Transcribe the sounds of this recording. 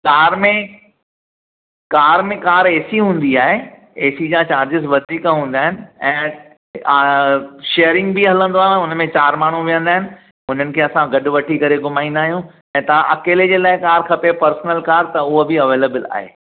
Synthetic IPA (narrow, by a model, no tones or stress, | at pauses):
kaːɾmẽ | kaːɾmẽkaːɾeːsiɦũːn̆d̪iaːɦe | eːsid͡ʑãːt͡ɕaːɾd͡ʑɪsʋɐd̪ʱiːkaɦũːn̆d̪aːɦɪnɪ̆ɛ̃ː | ʃeːəɾɪ̃ŋɡbɪɦɐlə̃nd̪oaːɦjũɛ̃ʊnmẽt͡ɕaːɾmaːɳ̤ũʋijə̃nd̪aːɦɪnɪ̆ | ʊn̤ənɪ̆kʰeːɐsãɡɐɗʊ̆ʋɐʈʰikɐɾeɡʊmaːĩnd̪aːɦijũ | ɛ̃ːt̪ɐʋãʔɐkeːled͡ʑeːlaːɪkaːɾkʰɐpepɐɾsnəlkaːɾt̪ɐʊɦobɪɐʋeːleːbəla̰ːɦḛː